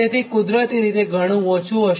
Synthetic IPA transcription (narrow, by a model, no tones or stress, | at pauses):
et̪ʰikud̪ɾət̪iɾit̪eɡʱəɽ̃ũʋɔ̃t͡ʃũɦəʃ